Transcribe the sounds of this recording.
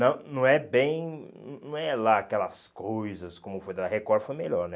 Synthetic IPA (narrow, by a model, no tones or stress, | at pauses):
nɐ̃w̃nɐ̃w̃ɛbẽj̃ñnɐ̃w̃ɛlaakɛlɐskojzɐskõmʊfojd̪aɦekɔɾfojmeʎɔɾnɛ